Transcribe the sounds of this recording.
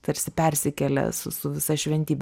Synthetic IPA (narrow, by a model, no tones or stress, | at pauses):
t̪ɐɾʲsʲɪpʲɛɾʲsʲɪkʲɛlʲɛ̰sʊ̰sʊʋʲɪsɐʃʲʋʲɛnʲt̪ʲiːbʲ